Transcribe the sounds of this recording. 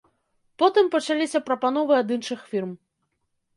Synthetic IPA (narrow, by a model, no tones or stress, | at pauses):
pɔt̪ɨmpɐt͡ʂalʲisʲɐpɾɐpanɔvɨad̪ɨnʂɨxfʲirm